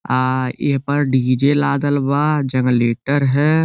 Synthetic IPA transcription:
ɪ̰ɦpɐɾɖiːd͡ʒeːlaːd̪əlbaːd͡ʒɐ̃ŋɡleːʈəɾɦɛː

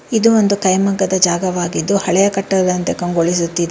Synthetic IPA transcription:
id̪uond̪ukɐjmɐŋɡɐd̪ɐd͡ʒaːɡɐʋaːɡid̪ːuhɐɭɛjɐkɐʈːɐɐd̪ɐnt̪e̞kɐŋɡoɭis̬ut̪ːid̪e

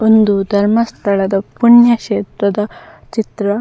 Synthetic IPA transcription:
ond̪ud̪ʱɐɾmɐst̪ʰɐɭɐd̪ɐpuɳjɐʃeːt̪ɾɐd̪ɐ | t͡ʃit̪ɾɐ

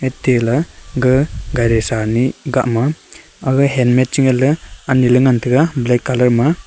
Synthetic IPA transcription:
etːilɯɡɯɡajɾesaniɡaʔma | aɡɯɦenmet̚t͡ʃiŋelɯanilɯŋantʰɯɡablekːalɐɾma

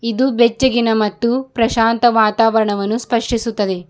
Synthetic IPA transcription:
id̪ubet͡ʃːɐɡinɐmɐt̪ːupɾɐʃaːnt̪ɐʋaːt̪aːʋɐɾɐɳɐʋɐnːuspɐʂʈisut̪ːɐd̪e̞

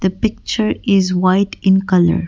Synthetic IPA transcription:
d̪əpɪk̚t͡ʃəɾɪzwaɪʈɪ̃nkʌlə̰ɾ

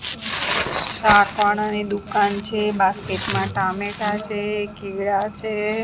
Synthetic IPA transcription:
ʃakʋaɽ̃anid̪ukant͡ʃʰebaskeʈmãʈameʈat͡ʃʰekiʋɭat͡ʃʰe

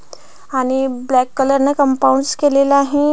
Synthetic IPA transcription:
aːñiblɛːkːələɾnekə̃mpaũɳɖskeleːlaɦẽ

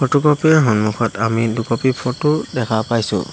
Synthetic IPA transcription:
pʰɔtukɔpiɛɦɔnmukʰɔtamidukɔpipʰɔtʊdɛkʰapajsʊ̰

